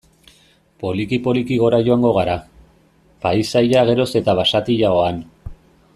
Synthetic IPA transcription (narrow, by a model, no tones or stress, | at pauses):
po̞likipo̞likiɣo̞ɾaʝo̞aŋɡo̞ɣ̞aɾa | paisajaɣ̞e̞ɾo̞se̞t̪aβasat̪iʎaoan